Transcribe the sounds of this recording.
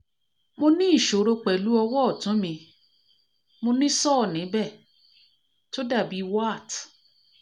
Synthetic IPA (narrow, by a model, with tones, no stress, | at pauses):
mo˧nĩ˦i˦˨ʃo˨ɾo˧k͡pɛ˨lu˨˦ɔ˧wɔ˦ɔ˦˨tũ˨˦mĩ˧ | mo˧nĩ˦sɔ˦˨nĩ˨˦bɛ˦˨ | to˦da˦˨bi˨˦wa˦˨t